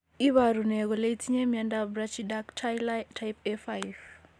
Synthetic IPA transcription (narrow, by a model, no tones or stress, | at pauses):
iβaɾuneɣoleitʰiɲemiandabɾat͡ʃiɗaktjltʰajpefajv